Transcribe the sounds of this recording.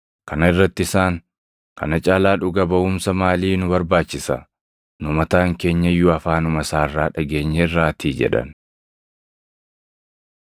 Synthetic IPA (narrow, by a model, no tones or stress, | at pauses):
kɐnɐɪrːɐt̪ːɪɪsaːŋ | kɐ̰nɐt͡ʃʼaːlaːᶑʊɡɐbɐʊmsɐmaːliːnʊbɐɾbaːt͡ʃːɪsɐ̰ | nʊmɐt̪aːŋke̞ːɲːɐjːʊɐfaːnʊmɐsaːrːaːᶑɐɡe̞ːɲːɛɪrːaːt̪ʰiːd͡ʒɛ̰ᶑɐ̰n